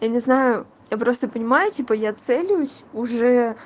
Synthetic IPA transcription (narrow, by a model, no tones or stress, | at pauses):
janʲɪznajʊ | japɾo̞st̪əpənʲɪmajʊtʲipəjat̪sɛlʲɪjʊsʲʊʐɛ